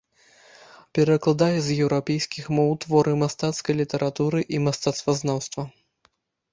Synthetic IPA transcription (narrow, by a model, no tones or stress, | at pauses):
pʲɛɾɐklˠad̪ajɛzjɛwɾapʲejskʲixmɔwt̪vɔɾɨmast̪at̪skɐjlʲit̪ɛɾat̪uɾɨʔimast̪at̪st̪vɐznawst̪vɐ